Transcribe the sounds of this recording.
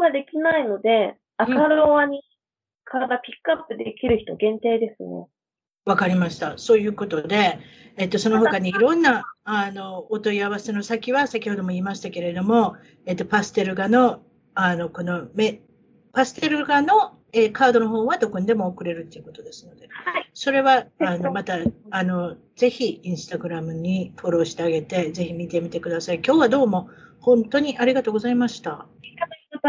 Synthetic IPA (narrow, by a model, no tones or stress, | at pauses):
oɡad̪e̞kʲinaino̞d̪e̞ | akaɾoβaɲ̟i | kʰaɾad̪apʲi̥kːɯapːɯ̟d̪e̞kʲiɾɯ̟çi̥t̪o̞̰ɡẽ̞nt̪eːd̪e̞sɨnḛ | βakaɾʲimaɕi̥t̪aso̞ːjɯ̟ːko̞t̪o̞d̪e̞ːt̪ːo̞so̞no̞ɦokaɲ̟iiɾõ̞nːaano̞ːt̪o̞iaβase̞no̞sakʲiβasakʲiho̞d̪o̞moiːmaɕi̥t̪ake̞ɾe̞d̪o̞mo̞ | e̞t̪ːo̞pasɨ̥t̪e̞ɾɯ̟ɡano̞ | ano̞ko̞no̞me | pasɨ̥t̪e̞ɾɯ̟ɡano̞ | eːkaːd̪o̞no̞ɦo̞ːβad̪o̞ko̞ɲ̟id̪e̞mo̞ːkɯ̟ɾe̞ɾɯ̟t̪ːe̞iɯ̟ko̞t̪o̞d̪e̞sɨno̞d̪e̞so̞ɾe̞βaːno̞mat̪aːno̞ | z̥e̞çiĩɰ̃sɨ̥t̪aɡɯ̟ɾamɯ̟ɲ̟ifo̞ɾo̞ːɕi̥t̪e̞aɡe̞t̪e̞ze̞çimʲit̪e̞mʲit̪e̞kɯ̟d̪asaikʲo̞ːβad̪o̞ːmo̞hõ̞nt̪o̞ɲ̟iʔaɾʲiɡat̪o̞ːɡo̞zaimaɕi̥t̪a